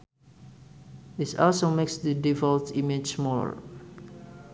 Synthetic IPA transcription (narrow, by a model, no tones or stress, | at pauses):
dɪsɔlsomeksdidivɔlvtimid͡ʒsmɔ̰